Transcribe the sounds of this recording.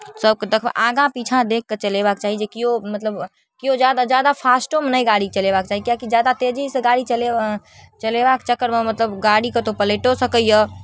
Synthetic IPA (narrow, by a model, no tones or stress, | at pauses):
səb̚ked̪əkʰbḛʔaɡãpit͡ʃʰãd̪ekʰːet͡ʃəlebakt͡ʃaɦid͡ʒekiomət̪ləb | kijod͡ʒjad̪ad͡ʒjad̪apʰasʈomnəjɡaɽikt͡ʃəlebak̚t͡ʃaːɦikijakid͡ʒjad̪at̪ed͡ʒisə̃ɡaɽit͡ʃəle | t͡ʃəlebakt͡ʃəkːəɾmemət̪ləbɡaɽiket̪opəleʈosəkəjə